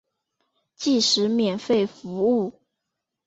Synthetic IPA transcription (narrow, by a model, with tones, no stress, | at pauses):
t͡ɕi˥˩ʂɻ̩˧˥mjɛ˨˩nfe˥˩ɪfu˧˥u˥˩